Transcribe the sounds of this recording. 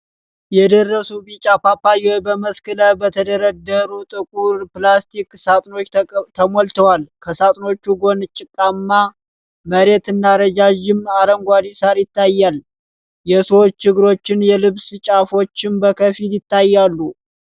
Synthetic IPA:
jɛd̪ərːəsubit͡ʃʼapapːajɛbəməskɨləbət̪ʰəd̪əɾəd̪əɾut̪ʼɨkʼuɾplast̪ʰiksat̪ʼno̞t͡ʃːt̪ʰəmolt̪ʰəwalkʰəsat̪ʼno̞t͡ʃːuɡo̞nɨt͡ʃʼːɪkʼːamːa | məɾe̞t̪ɨnːaɾəd͡ʒaʒɪmaɾəŋɡʷad̪isaɾjɪt̪ːajːal | jɛsəwot͡ʃːt͡ʃɨɡɨɾo̞t͡ʃːɪnjɛlɨβsɨt͡ʃʼafo̞t͡ʃːɪmbəkʰəfiljɪt̪ʰːajːalːu

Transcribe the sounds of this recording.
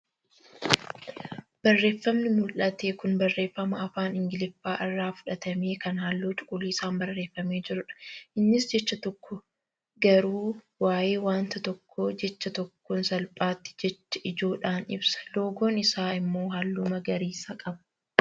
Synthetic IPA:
b̥ɐrːe̞ːfːɐmnɪmʊlʔɐt̪e̞ːkʊnbɐrːe̞ːfːɐmɐɐfaːnɪŋɡɪlɪfːaːʔɪrːaːfʊ̥ᶑɐt̪ɐmeːkɐnhaːlːoːt͡ʃʼʊ̥kʼːʊliːɪsaːmbɐrːe̞ːfːɐmeːd͡ʒɪɾʊᶑɐ̥ʔɪnːɪsd͡ʒɛt͡ʃːɐt̪ɔkːɔ | ɡɐɾuː | waːje̞ːwaːnt̪ɐt̪ɔkʰːoːd͡ʒɛt͡ʃːɐt̪ɔkːonsɐlpʼaːt̪ːɪ̥d͡ʒɛt͡ʃːɐ̥ʔɪd͡ʒo̞ːᶑaːnɪ̰bsɐ̥lo̞ːɡoːnɪsaːɪmːo̞ːɦalːʊmɐɡɐɾiːsɐkʼɐb

